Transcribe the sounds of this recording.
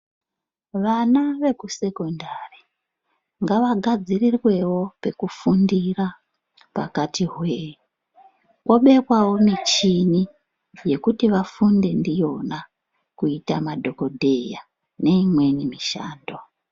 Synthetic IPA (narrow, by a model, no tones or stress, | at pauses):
ʋanaʋe̞kuse̞ko̞ndari̥ | ŋɡaʋaɡʱad͡zirirwe̞wo̞pe̞kufundira | pa̰katiɦwe | kwoɓe̞kwawo̞mit͡ʃini | je̞kutiʋafunde̞ndijo̞na | kuitamadʱo̞ko̞dʱe̞ja̰ | ne̞imwe̞nimiʃa̰ːndo